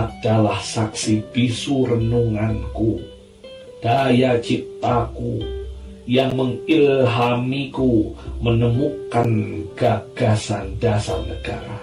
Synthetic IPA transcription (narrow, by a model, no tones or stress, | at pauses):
ʔad̥alahsaksibisurənuŋanku | d̥ajat͡ʃip̚t̪aku | jaŋməŋilɦamikumənəmukanɡ̥aɡ̥asandasalnəɡ̥a̰ɾ